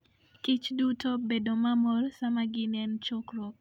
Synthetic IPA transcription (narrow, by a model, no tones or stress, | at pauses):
kit͡ʃdutobedomamɔrsamaɡɪnɛnt͡ʃokɾo